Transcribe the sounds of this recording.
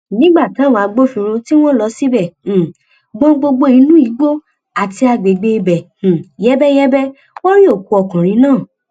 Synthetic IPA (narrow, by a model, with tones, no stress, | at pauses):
nĩ˦ɡ͡ba˦˨tã˨˦˨w̃ɡ͡bo˦fĩ˧ɾ̃ũ˧ti˦w̃ɔ̃˦lɔ˧˦si˦bɛ̃˦˨ | ɡ͡bɔ̃˦ɡ͡bo˧ɡ͡bo˧ĩ˨˧˦nũ˦i˨˦ɡ͡bo˦ | a˨ti˧a˧ɡ͡be˨ɡ͡be˧bɛ̃˨jɛ˦bɛ˦jɛ˦bɛ˦ | wo˦ɾi˦o˦˨ku˨˧ɔ˨kã˨ɾ̃ĩ˨˧˦nãː˦˨